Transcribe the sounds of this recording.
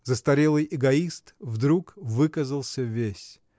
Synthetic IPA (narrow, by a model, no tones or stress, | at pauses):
zəst̪ɐɾʲelˠɨjʔɪɡɐist̪vd̪ɾukvɨkəzəlˠsʲəvʲesʲ